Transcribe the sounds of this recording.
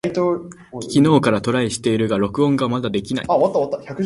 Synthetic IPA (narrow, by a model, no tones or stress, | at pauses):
it̪o | kʲino̞ːkaɾat̪o̞ɾaiɕi̥t̪e̞iɾɯ̟ɡaɾo̞kɯ̟õŋɡamad̪ad̪e̞kʲina̰ḭaβat̪ːaat̪ːaçakɯ